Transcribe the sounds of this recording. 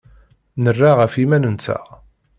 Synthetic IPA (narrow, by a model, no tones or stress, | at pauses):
nərːaʁəfimænənt͡sːæ̰ʁ